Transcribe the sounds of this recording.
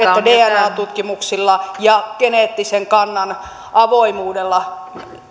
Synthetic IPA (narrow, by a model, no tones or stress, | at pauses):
et̪ːædeːænɑːt̪ut̪kimuksilːɑjɑkeneːt̪ːiseŋkɑnːɑn | ʔɑʋoimuːdelːɑ